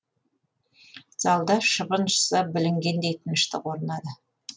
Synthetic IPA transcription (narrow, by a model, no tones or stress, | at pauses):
z̥ɑlˠd̪ɑʃəbənʃə̥səbɪlɪŋɡʲe̞nd̪ejt̪ʰənəʃt̪ɪqwo̞ɾənɑd̪ə